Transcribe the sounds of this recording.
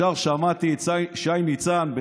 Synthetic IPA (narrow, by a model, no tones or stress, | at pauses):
aʁʃamat̪iʃajnit͡sanbe